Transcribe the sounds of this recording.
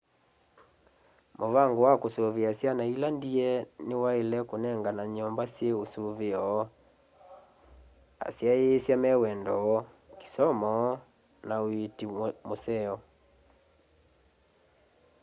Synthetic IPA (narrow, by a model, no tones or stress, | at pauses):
moβaŋɡowakosoβeasjanailandiɛnewaelɛkonɛŋɡanaɲɔmbasjeosoβeɔ | a̰sjaeːsjamɛwɛndɔ | ki̥sɔmɔ | naoetimosɛɔ